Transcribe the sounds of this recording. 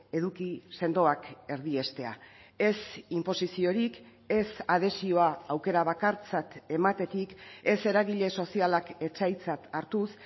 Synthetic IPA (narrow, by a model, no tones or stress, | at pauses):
e̞ðukise̞nd̪o̞ake̞ɾðie̞st̪e̞a̰ | e̞simpo̞sisio̞ɾik | e̞sað̞e̞sio̞aːwke̞ɾaβ̞akaɾt͡sat̪e̞mat̪e̞t̪ike̞se̞ɾaɣiʎe̞so̞sialake̞t͡ʃajt͡sat̪aɾt̪us